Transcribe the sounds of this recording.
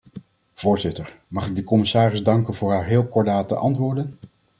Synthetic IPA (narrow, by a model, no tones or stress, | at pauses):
v̥ʊːɹzɪtəɹmɑχɪɡ̚dəkɔmɪsaːrɪzdɑŋkənvʊːɹɦaːɹɦɪːlˠkɔɹdaːtə̰ʔɑntʋʊːɹdən